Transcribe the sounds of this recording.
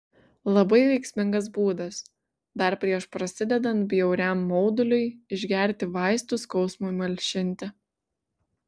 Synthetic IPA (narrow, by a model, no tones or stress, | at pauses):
lˠɐbɐɪʋʲɛɪksʲmʲɪŋɡɐs̬buːd̪ɐs | d̪ɐɾpʲɾʲiɛʃpɾɐsʲɪd̪ʲɛd̪ɐnt̪̚bʲjɛʊɾʲɛmːɔʊd̪ʊlʲʊɪɪʒʲɡʲæˑɾʲt̪ʲɪʋɑɪst̪ʊskɒʊsmoːimɐlʲʃʲɪnʲˑt̪ʲɪ